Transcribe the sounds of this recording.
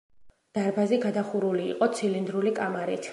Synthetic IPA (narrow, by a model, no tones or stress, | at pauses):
d̪̥aɾbaziɡad̪aχuɾulḭːqʼɔt̪sʰilind̪ɾulikʼamaɾḭt̪ʰ